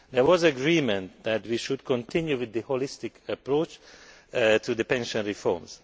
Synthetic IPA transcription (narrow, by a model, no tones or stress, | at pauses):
d̪ɛɹwɔzəɡɾiːmɛ̃nt̪̚d̪æt̪wiːʃud̪kʰɔ̃nt̪ʰɪ̃njuʋɪd̪əholɪst̪ɪkʰəpɾot͡ʃ | t̪ʰud̪əpɛ̃nʃə̃nɹifɔ̰ɹmz